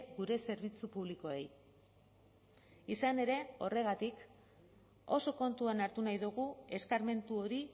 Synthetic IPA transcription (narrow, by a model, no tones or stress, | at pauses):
ɣuɾe̞se̞ɾβ̞it͡supuβ̞liko̞e̞̰j | isane̞ɾe̞o̞re̞ɣat̪ik | o̞̰so̞ko̞nt̪uanaɾt̪unajðuɣ̞ue̞skaɾme̞nt̪uo̞ɾi